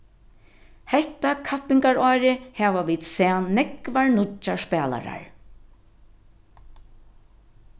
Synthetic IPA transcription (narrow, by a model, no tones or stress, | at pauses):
hɛht̪akʰapɪŋkaɹɔːɾɪhɛːʋaʋiːd̪sɛanːɛkvaɹnʊt͡ʃːaspɛːla̰ɾa̰ɹ